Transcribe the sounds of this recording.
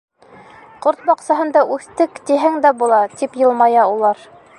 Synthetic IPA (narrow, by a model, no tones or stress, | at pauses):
qoɾt̪̚bɑqsɑɦɤ̆nd̪ɑʔʉθt̪ɘkt̪iɦɘŋd̪æbulˠɑt̪ipjɤ̆lˠmɑjɑulˠɑɾ